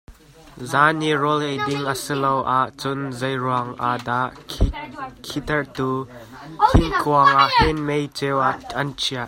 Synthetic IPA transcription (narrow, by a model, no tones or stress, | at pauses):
zaːnirɔlejdɪŋəsilowʔaʔt͡sʊnzɐjruaŋʔad̪aʔ | kʰit̪ɐɹt̪u | kʰɪnkʰuaŋʔaʔhɛnmejt͡sewaʔɐnt͡ʃʰiaʔ̚